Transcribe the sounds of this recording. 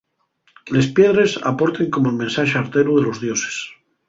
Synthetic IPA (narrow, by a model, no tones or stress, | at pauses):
le̞spjeðɾe̞sa̰po̞ɾt̪eŋko̞moelmensaʃeaɾt̪eɾuðelo̞zðjose̥s